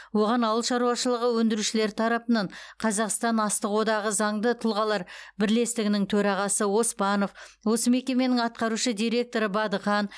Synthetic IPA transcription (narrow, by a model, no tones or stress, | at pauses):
wo̞ʁɑnɑwəlˠʃɑɾuɑʃəlˠəʁəwɵnd̪ɪɾuʃɪle̞ɾt̪ʰɑɾɑpənɑɴqʰɑzɑqst̪ɑnɑst̪əqwo̞d̪ɑʁəzɑɴd̪ət̪ʰʊlˠʁɑlˠɑɾbɪɾle̞st̪ɪɡʲɪnɪŋt̪ʰɵɾɑʁɑsəwo̞spɑno̞f | wo̞səme̞kʲe̞me̞nɪŋɑt̪̚qɑɾuʃəd̪ijɾe̞k̚t̪o̞ɾəbɑd̪əχɑn